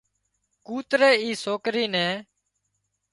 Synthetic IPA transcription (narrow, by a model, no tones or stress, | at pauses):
kuːt̪ɾeːiːsoːkɾiːnɛ̃ː